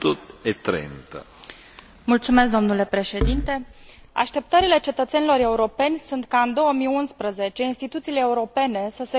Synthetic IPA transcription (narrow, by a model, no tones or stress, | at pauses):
t̪ut̪et̪ɾḛnt̪ə̰ | mult̪sume̞s̬k̚d̪o̞mnule̞pɾe̞ʃe̞d̪int̪e̞ | a̰ʃt̪e̞p̚t̪əɾile̞t͡ʃe̞t̪ət̪se̞nilo̞ɾe̞uɾo̞pe̞nʲsunt̪kaɨnd̪o̞wəmijunspɾəze̞t͡ʃe̞inst̪it̪ut̪siːleːuɾo̞pe̞ne̞səse